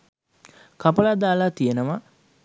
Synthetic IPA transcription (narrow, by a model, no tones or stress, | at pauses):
kapɐlad̪aːlat̪ijenəʋa